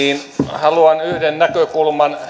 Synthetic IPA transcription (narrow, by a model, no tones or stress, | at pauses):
iːnhɑluɑnyhdennækøkulmɑn